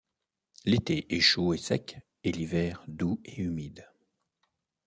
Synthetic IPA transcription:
let̪eʔɛʃoesɛk | elivɛːʁd̪ueymid̪

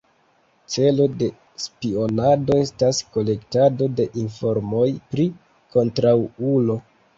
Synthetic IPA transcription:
t͡se̞lo̞de̞ | spio̞nado̞e̞stasko̞le̞ktado̞de̞ʔinfo̞ɾmo̞jpɾi | kʰo̞ntɾawulo̞

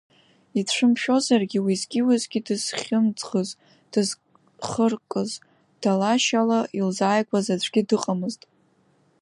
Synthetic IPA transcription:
itʰʂʷɨmʃᶣo̞zarɡʲiwizɡʲɪwazɡʲidɨz̥χʲɪmd͡zχəz | d̥ɨz | χərkʼɨz | d̥alaʃalailzaːjɡʷʰʼazat͡ɕʷʰɡ̥ʲidɨqʼamɨztʼ

